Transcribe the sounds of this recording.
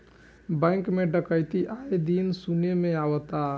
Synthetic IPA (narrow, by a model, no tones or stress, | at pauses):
bɛ̃ːŋkmẽɖəkəjt̪iʔaːed̪iːnsunemẽaːwət̪aː